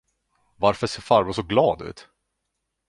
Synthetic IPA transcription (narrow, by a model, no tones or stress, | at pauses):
vaɾfœʂeːɾfaɾbʊsɔɡlɑːd̪ʉ̟̰ːt̪